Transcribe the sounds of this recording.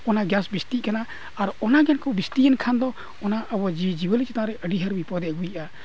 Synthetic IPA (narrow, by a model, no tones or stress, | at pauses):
ɔnaɡjasbist̪iʔkanaː | ɾɔnaɡɛnkɔbist̪ijənkʰand̪ɔ | ɔnaʔəbɔd͡ʒid͡ʒibəlit͡ʃɛt̪aɾɛʔəɖiɦəɾbipɔd̪ɛəɡujʔa